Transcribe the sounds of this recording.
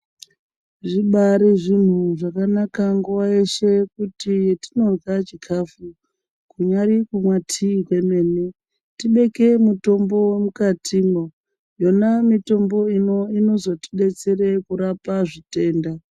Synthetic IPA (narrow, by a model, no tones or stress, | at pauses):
ʐiɓaɾeʐin̤uʐakanakaŋɡuwaeʃe̞kutijetino̞rwat͡ʃikʰafu | kuɲaɾikumwatʰikwe̞me̞ːne | tiɓe̞ke̞muto̞mbo̞we̞mukatʰimo | jonamito̞mbo̞inoino̞zo̞ti̥ɗe̞t͡se̞re̞kuɾapaʐite̞ːnda